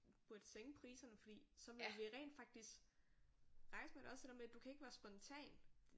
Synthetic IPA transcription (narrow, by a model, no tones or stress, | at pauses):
b̥uɐd̥əseŋəpʰʁiːsɐnəfɒ̽d̥ḭːsɒ̽ʋelʋiʁɛ̰ːnd̥fɑ̈ɡ̥̚d̥isɡ̥ | ʁɑ̈ɪsmedeɒ̽sd̥e̝ɾeɐmed̥ukʰæe̝ɡ̥ʋæːɐsb̥ɒ̽nt͡sʰɛ̰ːn